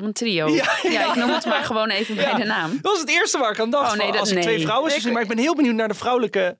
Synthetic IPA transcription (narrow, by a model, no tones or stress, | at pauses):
əntriojajaɪknummətmaːɹχəʋownejvəbjɛjdənaːmɑsətɪːɹstəʋaːɹɪkandɑχlˠsətʋejfrʌwənsninmaːɹɪɡ̚bɛnɦɪːlˠbəniwtnaːɹdəvrʌwləkə